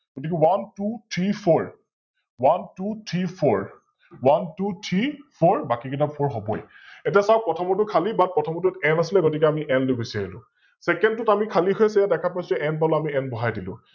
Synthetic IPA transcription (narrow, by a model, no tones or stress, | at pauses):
ɡ̥otikɛwantutʰɹipʰɔɹ | wantutʰɹipʰɔɹ | wantutʰɹipʰɔɹbakikitapʰɔɹɦɔbɔj | ɛtiasaʊpɹɔtʰɔmɔt̬ʊkʰalibat̚pɔtʰɔmɔtutɛnasilɛɡotik̬ɛamiʔɛnlobisaɹilʊ̰̃ | sɛkɛndtʊtamikʰaliɦɔjɛsɛjadɛkʰapajsɛʔɛnpaloamiɛnbɔɦajdilʊ̰̃